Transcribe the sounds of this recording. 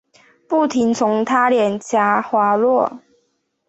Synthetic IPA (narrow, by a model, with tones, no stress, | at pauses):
pu˥˩t̪ʰi˨˦ŋt͡sʰʊ˧˦ŋt̪ʰa˦ljɛ˨˩nt͡ɕʰja˨˥xwa˨˥lwɔ˥˨